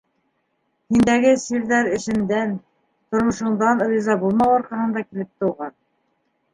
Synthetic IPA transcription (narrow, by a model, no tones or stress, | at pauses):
hind̪æɡɘsiɾðæɾɘ̆ʃɘ̆nd̪æn | t̪ŏɾmŏʃɤ̆ɴd̪ɑnɾʲizɑbulˠmɑwɑɾqɑhɤ̆nd̪ɑkilɘp̚t̪ɤ̆uʁɑn